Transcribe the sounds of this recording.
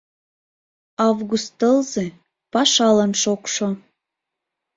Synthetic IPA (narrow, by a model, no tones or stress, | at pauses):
ɑvɣust̪əlze | pɑʃɑlənʃokʃo